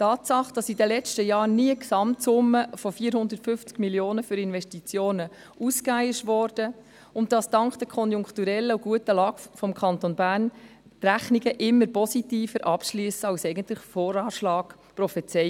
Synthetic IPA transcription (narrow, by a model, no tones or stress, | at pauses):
tɑːtsɑχd̥ɑsidəlɛt͡stəjɑːɾniəksɑmtsʊmːəfɔfiːəɾhʊnd̪ətfʏft͡sɡ̥miljoːnəfyɾɪnʋɛʃtit͡sjoːnə | uskajɪʃʋɔːɾd̥ə | ʊnt̚dɑstɑŋkχd̥əkʰɔnjʊŋktuɾɛlːəuɡ̥uətəlɑːɡ̥fɔmkʰɑntonbæːɾn | tɾæχniɡəʔɪmːəɾpɔsitiːfəɾʔɑpʃlyəsəɑwsɛɪɡəntlɪχfɔːɾɑːʃlɑːɡ̥ | pɾɔfɛt͡sɛj